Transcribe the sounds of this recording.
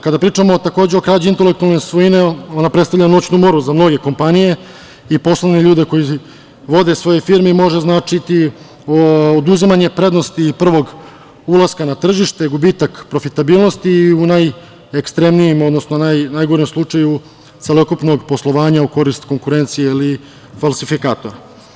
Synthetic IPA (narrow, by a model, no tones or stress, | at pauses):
kad̪apɾiːt͡ʂamot̪ako̞ːd͡ʑeo̞kɾaːd͡ʑuint̪e̞lek̚t̪ualˠnesʋoineo̞napɾest̪avʎanot͡ɕnumo̞ɾuzamno̞ɡe̞ko̞mpanije̞ | ipo̞slˠoneʎuːd̪eko̞ji | ʋo̞d̪e̞sʋo̞jefiɾmimo̞ʒeznaːt͡ʂit̪i | ood̪uzimaɲe̞pɾe̞d̪no̞st̪ipr̩ʋo̞ɡ | ulˠaskanat̪r̩ʒiʃt̪eɡubiːt̪akpɾo̞fit̪abiːlˠno̞st̪iunaj | ekst̪ɾe̞mnijemo̞d̪no̞snonajnajɡo̞ɾemslˠut͡ʂaju | t̪se̞lo̞kupno̞ɡpo̞slˠo̞ʋaːɲauko̞ɾist̪ko̞ŋkuɾe̞nt̪sijeili | falˠsifikaːt̪o̞ɾa